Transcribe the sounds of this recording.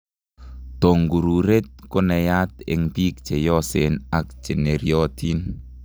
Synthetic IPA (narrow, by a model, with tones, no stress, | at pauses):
t̪o˨ŋɡu˨ɾuɾe˦t̪̚ko˦nɛ˨jat̪ɛ̰ŋpi˦k̚t͡ʃe˨jɔ˦senak̚t͡ʃɛ˨ne˨ɾiɔt̪in